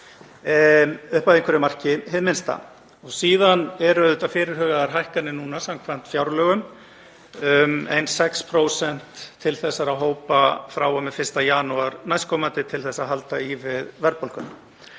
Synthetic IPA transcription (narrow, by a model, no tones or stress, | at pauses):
ʏhpaðɪ̃ŋkvɛɾɪmar̥cɪɦɪðmɪnst̪a̰ | ɔɣsiːðanɛɾʏðʏt̪afɪːɾɪɾ̥ɦœːɣaðaɾɦajhkanːɪnuːnasamkʰvan̥t̪fjawɾlœːɣʏm | ʏmḛjnsɛkspʰɾoːwsɛn̥t̪ʰːɪlθɛsːaɾaðɦoːwpafɾawɔmɛðfɪrst̪ajaːnuaɾnajskʰɔːmant̪ɪt̪ʰɪlθɛsːaɦalt̪aivɪðvɛɾpol̥kʏn